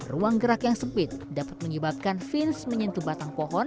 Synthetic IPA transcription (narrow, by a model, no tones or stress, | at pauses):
ruaŋɡəɾakjaŋsəpɪt̪̚dapḁt̪̚məɲəbap̚kanfɪnsməɲənt̪ubat̪aŋpoɦɔn